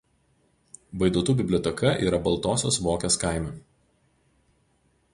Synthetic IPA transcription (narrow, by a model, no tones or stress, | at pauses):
ʋɐɪd̪uɔːt̪uːbʲɪbʲlʲɔːt̪ʲɛkʰɐʔḭːɾɐbɐlˠˑt̪oːsʲoːsʋoːkʲoːskaˑɪmʲuˑ